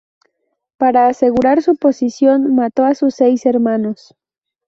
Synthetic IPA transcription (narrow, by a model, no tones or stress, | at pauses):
paɾaːseɣuɾaɾsuposisjonmat̪o̞asʊsejseɾmanos